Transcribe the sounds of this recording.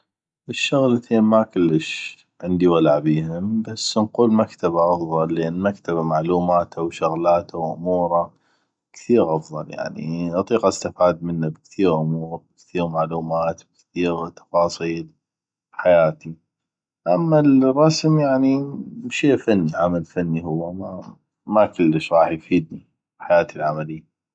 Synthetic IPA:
ʔɪʃːʊɣlat̪ʰeːnmakʊlːəʃ | ʕɪnd̪iwalaʕbiːhʊmbasːnquːlmakt̪abaʔɑfðˤɑlːʔɪnːmakt̪aβamaʕluːmaːt̪ʰawʃʊɣlaːt̪ʰawʔʊmuːɾˤa | kθiːɾʔɑfðˤɑlja̰ʕnḭʔɑt̪ˤiːqʔast̪ɪfaːd̪̚mɪnːabɪkt̪iːɾʔʊmuːɾabɪkθiːɾmaʕluːmaːt̪bɪkθiːɾt̪ɑ̥fɑːsˤiːl | ħajaːt̪i | ʔamːalrˤːɑsmjaʕnimʃeːfanːiʕamalfanːiɦʊwːama | makʊlːəʃɾˤɑːħjfiːd̪ni | bħajaːt̪ʰilʕamalɪjːa

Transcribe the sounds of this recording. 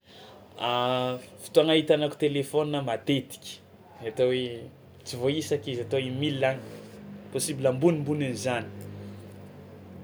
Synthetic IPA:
afi̥t̪uaŋaɦit̪anaku̥t̪elefoninəmat̪et̪i̥kʲə̥ | at̪owe | t͡sivoisakizat̪owimilːani̥posibilambunimbuninizani̥

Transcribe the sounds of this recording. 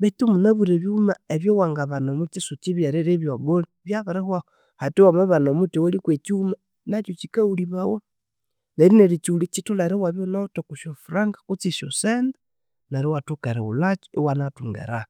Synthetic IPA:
βetumunaβuɾeβjumaeβjowaŋɡaβanomut͡ʃisut͡ʃiβjaɾeɾeβjoβoniβjaβaɾehwao | hatiwamaβanomutiwalikwet͡ʃiuma | nat͡ʃot͡ʃikauliβawo | naɾineɾit͡ʃiulit͡ʃitulaɾewaβjonatokuʃofuɾaŋɡḁkut͡siʃosend | naɾiwatukeɾeṵlat͡ʃo̥ewanatuŋɡḛɾa

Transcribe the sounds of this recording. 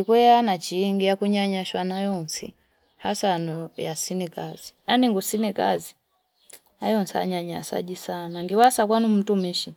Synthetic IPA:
ikwɛanat͡ʃiːŋɡijakuɲaɲaʃwanajɔnsḭ | hasanɔjasinikazinaniŋɡusinika̰zi | ajɔnsa̰ɲaɲasa̰d͡ʒisanaŋɡiwasakwanum̩tumiʃi

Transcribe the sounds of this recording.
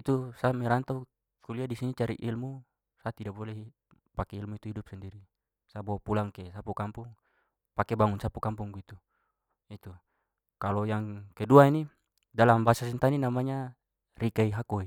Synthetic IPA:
it̪usamɛɾant̪au | kuliadisinit͡ʃaɾḭʔilmu | sat̪idabolei | pakɛilmuit̪uɦidup̚sandiɾi | sabopulaŋkesapukampuŋ | pakɛbaŋunsapukampuŋɡit̪u | it̪u | kalojaŋkeduaini | dalambasasɛnt̪aninamaɲa | rikaiɦakoi

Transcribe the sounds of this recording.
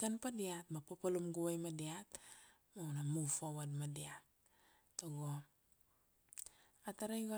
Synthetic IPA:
kanpadiat̚mapapalumɡuajmadiat | mawnamufowadmadiat̚ | tːoɡo | ataɾajɡa

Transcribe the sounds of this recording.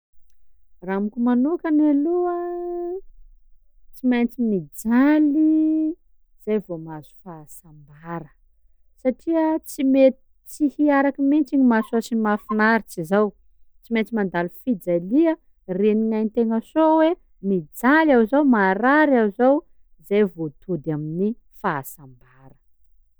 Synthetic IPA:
ramikʲumanukanaluə | t͡simajnt͡simid͡zali | z̥ajvomazu̥fasambaɾə̥ | saʈ͡ʂiət͡simet̪ | t͡sihiaɾakimint͡ʃiɲimasasimafinaɾit͡sizaw | t͡siment͡simand̪alifid͡zaliə | reniŋajnt̪eŋəsowe | mid͡zalawzawmaɾaɾawzaw | zajvot̪ud̪amini | faːsambaɾə̥

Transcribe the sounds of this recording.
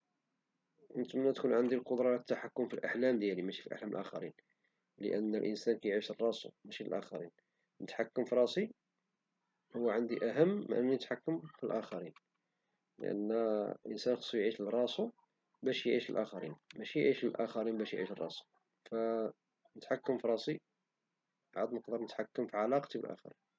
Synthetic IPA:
ʔənt̪mənæt̪kunʕənd̪ilqod̪ɾˤɑt̪ːaħakːʊmfilʔaħlæmd̪jælimæʃi̥fiʔa̰ħlæməlʔæ̰xæ̰ɾin | lə̰ʔənːəlʔə̰nsænkæjʕiʃərˤːɑsṵmæʃiəlʔæ̰xɑɾin | nət̪ħakːəmfiɾˤɑsˤi | hʊwːæʕand̪iʔæɦəm̰ːʔənːinət̪ħakːəmfilʔæxɑɾin | lə̰ʔə̰nːlʔə̰nsænxɑ̥sˤːujʕiʃərˤːɑsu | bæʃjʕiʃəlʔæxæɾḭnmæʃijʕiʃəlʔæxæɾinbæʃjʕḭʃərˤːɑ̰su̥ | fæ | nət̪ħakːəmfiɾˤɑsˤi | bʕad̪məqd̪əɾˤnət̪ħakːəmfiʕalɑqt̪ibə̰lʔæ̰xæ̰ɾin

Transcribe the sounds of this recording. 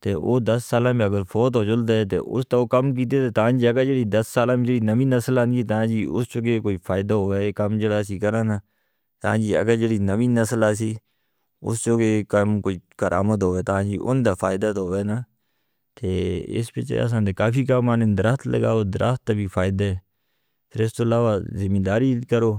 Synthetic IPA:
t̪eːo̰ːd̪əsːaːlãːmẽəɡəɾfʰoːt̪ɦoːt͡ʃʊlt̪aɛt̪ḛːʔʊ̰st̪aoːkəmk̬iːt̪̬et̪eːt̪aãːd͡ʒiːəɡəɾd͡ʒeɽiːd̪əsːaːlãːmẽd͡ʒəɽiːnəʋĩːnəsəlaːniit̪aãːd͡ʒiːʊst͡ʃoːɡekoːiːfʰaːɪd̪aɦoːeekəmd͡ʒəɽaːsiːkəɾãːnaː | t̪ã̰ːd͡ʒiːə̰ɡəɾd͡ʒəɽiːnəʋĩːnəsəlaːsiː | ʊ̰st͡ʃoːɡeːkəmkoːiːkəɾʔa̰ːmət̪̬ɦoːʋeːt̪aãːd͡ʒiːʔʊ̰nd̪aːfʰaːɪd̪aːt̪oɦoːeːnaː | t̪eːɪ̰spḛt͡ʃḛa̰s̬ãːnt̪ekaːfiːkəmːaːnend̪əɾəst̪lə̰ɡa̰ːoːd̪ɾʔə̰st̪̚ːabʱiːfʰaːɪd̪aːɛː | pʰɪɾɪst̪oːlaːʋaːzɪmĩːd̪aːɾiːkəɾoː

